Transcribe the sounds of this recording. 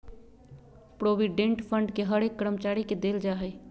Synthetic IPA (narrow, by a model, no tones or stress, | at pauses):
pɾoʋiɖẽɳʈpʰəɳɖkeɦəɾekːəɾəmət͡ʃaɾiked̪eld͡ʒaɦɛj